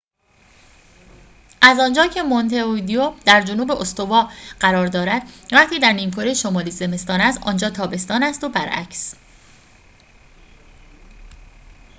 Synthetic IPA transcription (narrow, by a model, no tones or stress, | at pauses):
ʔæzɒːnd͡ʒɒːcʰe̞mont̪ʰeod̪iod̪æɾd͡ʒonuːbeʔost̪o̞vɒːɢ̥æɾɒːɾd̪ɒːɾæd̪̥̚væχt̪ʰiːd̪æɾniːmkʰɒːɾijeʃomɒːliːze̞me̞st̪ɒːnæsʔɒ̰ːnd͡ʒɒːt̪ʰɒːbe̞st̪ɒːnæst̪obæɾʔæ̰cʰs